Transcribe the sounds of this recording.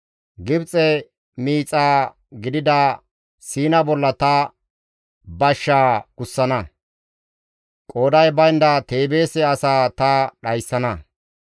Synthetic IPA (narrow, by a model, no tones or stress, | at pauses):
ɡɪbt͡sʼɛ | miːt͡sʼaː | ɡɪd̪ɪd̪ɐ | siːnɐbɔlːɐt̪ɐ | bɐʃːaːkʊsːɐnɐ | kʼoːd̪ɐjbɐjnd̪ɐt̪e̞ːbe̞ːsɛɐsaːt̪ɐɗɐjsːɐnɐ